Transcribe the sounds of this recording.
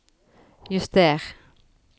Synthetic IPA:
jʉst̪̚eːʁ

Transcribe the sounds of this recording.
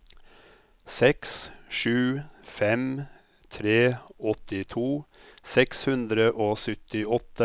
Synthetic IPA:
sɛksʃʉːfɛm | t̪ʰɾeːɔt̪ɪt̪ʰuːsɛkshʉnd̪ɾəʔoːsœt̪ɪɔt̪ə

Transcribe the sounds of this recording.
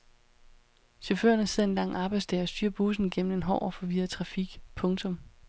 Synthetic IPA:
ɕɔfø̰ɐ̰nəse̝ð̰ˠe̝nlɑ̈ŋ̰ɑ̈ːb̥ɑ̈ɪdsdʰɛːɒ̽sd̥yːɐ̰b̥us̬n̩ɡ̥em̰n̩e̝nɦɒ̰ʊɒfɒ̽ʋiːɐt͡sʰʁɑ̈fiɡ̥pʰɔ̽ŋt͡sʰɔ̽m

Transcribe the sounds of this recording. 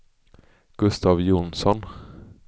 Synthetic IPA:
ɡ̥ɵst̪ɑvjʊnsɔn

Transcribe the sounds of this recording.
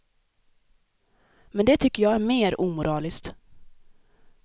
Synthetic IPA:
mɛnd̪ɛt̪ʰʏkːəjɑːɡæɾmeːɾʔuːmʊɾɑːlɪskt̪

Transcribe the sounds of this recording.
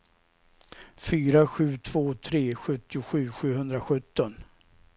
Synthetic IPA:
fyːɾaɧʉ̟ːt̪ʰv̥oːt̪ʰɾeːɧɵt̪ːɪʊɧʉ̟ːɧʉ̟ːɦɵnd̪ɾaɧɵt̪ːɔn

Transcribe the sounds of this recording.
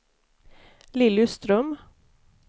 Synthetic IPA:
lɪlʉst̪ɾœm

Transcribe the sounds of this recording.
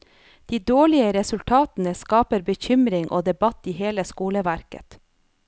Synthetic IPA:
d̪̥iːd̪oːɭɪəɾɛsʉlt̪ʰɑːt̪n̩əskɑːpəɾbəçʏmɾɪŋʔo̰ːd̪ɛbɑt̪iːheːləskuːləʋæɾkə̰t̪

